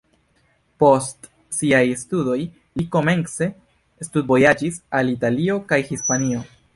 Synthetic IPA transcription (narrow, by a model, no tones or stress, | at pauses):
po̞st | siajstudo̞j | liko̞me̞nse̞ | stud̚bo̞jad͡ʒisalitalio̞kajhispanio̞